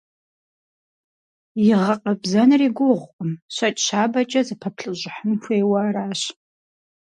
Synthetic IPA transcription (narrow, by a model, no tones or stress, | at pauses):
jɪʁɐqʼəbzɐnɨriːɡʷʊʁʷqʼʊmɕɐt͡ʃʼɕaːbɐt͡ʃʼɐzɨpʰɐpʰɬɨʑʷʼɪħəmxʷejwaːɾaːɕ